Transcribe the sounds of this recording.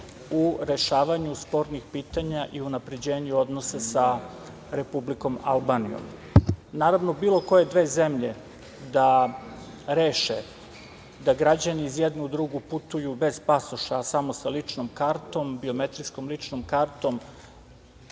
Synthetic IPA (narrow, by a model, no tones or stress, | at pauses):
uɾe̞ʃaːʋaɲuspo̞ɾnixpiːt̪aɲaʔiunapɾe̞d͡ʑe̞ːɲuo̞d̪nosasa | ɾe̞publiko̞malˠbanḭjo̰mnaːɾaʋnobiːlˠo̞ko̞je̞d̪ʋe̞ːze̞mʎe̞ | d̪a | ɾe̞ːʃḛ | d̪aɡɾad͡ʑaniːzje̞d̪nud̪ɾuɡuput̪ujube̞zpasuʃasamosalit͡ʃnomkaɾt̪o̞mbiome̞t̪ɾisko̞mlit͡ʂnomkaɾt̪o̞m